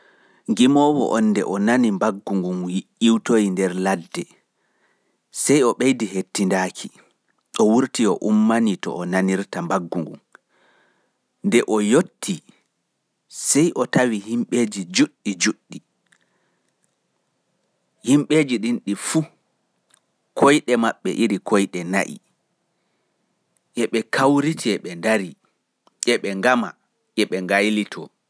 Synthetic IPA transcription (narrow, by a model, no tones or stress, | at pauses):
ŋɡimɔːwɔ̰ʔɔnːdɛ̰ʔɔnanimbaɡːuŋɡumjiʔiwtojindɛɾladːɛ | sɛjɔɓejdiɦetːindakʰi | ʔɔwuɾtiɔʔumːanitɔ̰ɔnaniɾtambaɡːuŋɡṵm | ndɛʔɔjotʰːi | sɛjʔɔtawihimɓeːd͡ʒid͡ʒuɗːid͡ʒuɗːi | himɓeːd͡ʒiɗinɗifu | kʰojɗɛmaɓːɛ̰ʔiɾikʰojɗɛna̰ʔḭ | ʔɛɓɛkʰawɾitʰiɛɓɛndaɾi | ʔɛɓɛŋɡama̰ | ʔɛɓɛŋɡajlitʰɔ